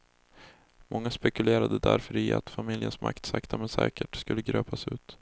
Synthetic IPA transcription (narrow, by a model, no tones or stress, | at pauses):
mɔŋːaspɛkɵleːɾad̪əd̪æɾfœɾɪa̰t̪famɪljənsma̰kt̪sakt̪ʰamɛnsɛ̰ːkəʈskɵlːəɡɾøːpasʉ̟ːt̪